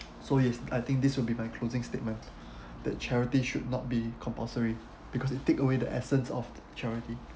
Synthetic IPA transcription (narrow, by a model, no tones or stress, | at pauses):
sojɛsajt̪ɪ̃ŋk̚diswɪlbimajkʰl̥ozɪ̃ŋstet̚mə̃n | d̥ɛ̰t̚t͡ʃʰɛɹitiʃud̚nɔt̚bikʰɔ̃mpɔsəɹi | b̥ikʰɔsɪtːekəwedəʔɛ̰sə̃nsɔ̰f | t͡ʃɛɹiti